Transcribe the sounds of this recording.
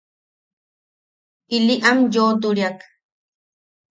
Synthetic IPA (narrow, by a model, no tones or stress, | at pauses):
iliʔamjoːt̪uɾiak